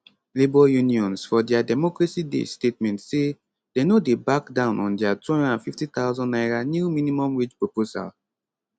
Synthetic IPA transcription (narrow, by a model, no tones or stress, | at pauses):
libɔjuniɔ̃nsfɔdɛadɛmɔkɹasidḛstet̚mɛ̃ntse | d̥enodebakdãʊ̃nʔɔ̃ndɛatũnɔ̃dãnfiftit̪awzɔ̃nːaɪɹanjumĩnimɔ̃mwit͡ʃpɹopoza̰l